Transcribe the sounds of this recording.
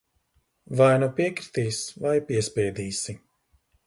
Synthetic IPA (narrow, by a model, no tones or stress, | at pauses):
vajnupiɛkɾit̪iːsvajpiɛspʲɛːd̪iːsi